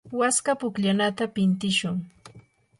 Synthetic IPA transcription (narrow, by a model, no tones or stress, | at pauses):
waskapʊkʎanat̪apɪnt̪ɪʃʊŋ